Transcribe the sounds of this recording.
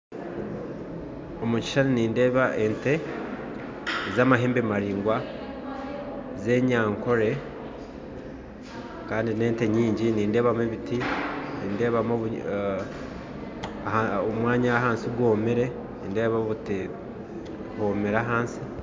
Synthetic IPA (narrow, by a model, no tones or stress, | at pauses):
omuci̥ʃaniniːnde̞ːβaʔe̞nte̞ | zaːmaɦe̞ːmbemaɾiːŋɡwa | ze̞ːɲaːŋko̞ɾe̞ | kaːndine̞ːnte̞ɲiːɲɟiniːnde̞ːβameβitiniːnde̞ːβamoβu | aomwaːɲaɦaːnsiɡwoːmiɾe̞ | niːnde̞ːβaβute | hoːmeɾaɦaːnsi